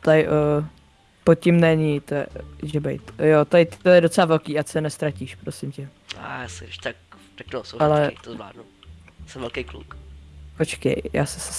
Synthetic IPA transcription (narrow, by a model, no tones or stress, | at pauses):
t̪ajɪʔ | pot̪̚cɪmnɛɲɪt̪oɛ̰ʒɛbɛ̰jt̪jot̪ajɪt̪ɪt̪ojɛdot͡sɛlavɛlkiːat͡sɛnɛst̪ɾaciʃpɾosɪmcɛ | a̰jasɪʃt̪ak̚t̪ak̚t̪osowalɛkɪt̪ozvla̰ːdnusɛmvɛlkejklṵkot͡ʃkɛ̰jja̰ːsɛsɛ̥